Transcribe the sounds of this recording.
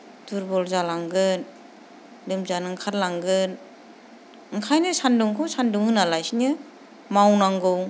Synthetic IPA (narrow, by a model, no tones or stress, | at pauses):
tuɾbɔlzalaŋɡɯn | lɯmzanɯŋkʰatlaŋɡɯn | ɯŋkʰajnɯsanduŋkʰɔwsanduŋɯnalajsinɯ | mawnaŋɡɯw